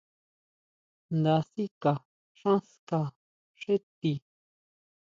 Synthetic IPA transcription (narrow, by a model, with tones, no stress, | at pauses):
nd̪a˧si˦ka˨ | ʂã˦ska˧ | ʂe˦t̪i˧˨